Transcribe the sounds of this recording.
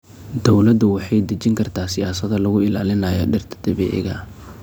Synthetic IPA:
d̪ɔwlɐd̪ʊwɑħɑjd̪ɐt͡ʃɪŋkʰɐrt̪ʰaːsɪjaːsɐðɐlɐɣʊɪlaːlɪnɐjɔ̰ɖɪrt̪ʰɐ̥d̪̥ɐβɛ̰ːʔɪ̰ɣɐ̰

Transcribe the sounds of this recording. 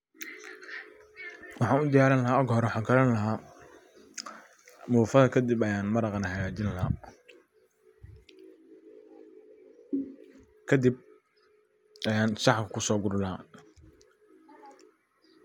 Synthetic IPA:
wɑħɑ̃ːnʊd̪ɪjaːɾɪnlɐɦaːɐɡɦɔɾwɑħɑːŋkʰɐlɐnlɐɦaː | mʊːfɐðɐkʰɐd̪ɪbɐjaːnmɐɾɑqɑnɐhɐɣaːt͡ʃɪnlɐɦa̰ː | kʰɐd̪ib̚ | jaːnsɑħkkʰʊsɔːɡʊɾlaː

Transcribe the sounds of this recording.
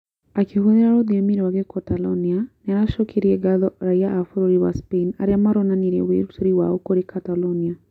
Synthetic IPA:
akihuðiɾaɾɔðiɔmiɾwaɣɛkɔtalɔnianaɾaʃɔkʰiɾiɛɡaðɔɾaiaʔːfuɾuɾiwa̰speina̰ɾiamaɾɔnaniɾɛ̰wḭɾutuɾiwa̰ɔkoɾikʰatalɔnia

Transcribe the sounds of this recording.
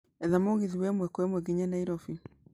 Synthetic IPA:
ɛðamoɣiðiwɛmwɛkɔɛmwɛɣiɲanaiɾɔfi

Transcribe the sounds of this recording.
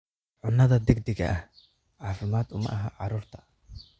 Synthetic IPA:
ʕʊnːɐðɐd̪ɪɡ̚d̪ɪɡɐ̰ʔɐh | ʕɑːfɪmaːd̪ʊmɐ̰ʔɐɦɐʕɑɾuːrt̪ʰɐ̥

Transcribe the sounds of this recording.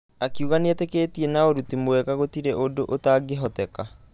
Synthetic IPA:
akiuɣaneatekeːtienaoɾutimoɛɣaɣotiɾeʔodoʔotaːɡeɦɔtɛka

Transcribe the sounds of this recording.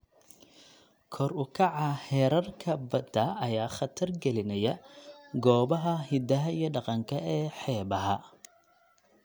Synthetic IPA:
kʰɔrʊkʰɑʕɑhɛːɾɐrkʰɐbɐd̪ɐʔɐjaːχɑt̪ʰɐrɡɛlɪnɐjɐɡɔːβɐɦɐhɪd̪ɐɦɐijɔɖɑqɑŋkʰɐɛːħɛːbɐɦɐ

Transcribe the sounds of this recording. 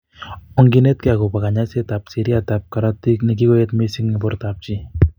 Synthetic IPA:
ɔŋɡinet̚keakopakaɲasetapsiɾiatap̚kaɾatiknik̬ikojetmesiŋnibʊɾt̪ap̚t͡ʃi

